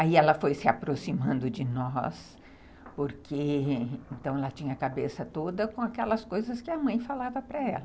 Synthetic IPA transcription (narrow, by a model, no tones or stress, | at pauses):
aiɛlɐfojsɪapɾosimɐ̃nd̪ʊd͡ʒɪnɔ̰s | poɾkʰeẽnt̪ɐ̃w̃ɛlɐt͡ʃĩɲɐkabesɐt̪od̪ɐkõakɛlɐskojzɐskɪɐmɐ̃j̃falavɐpɾɐɛ̰lɐ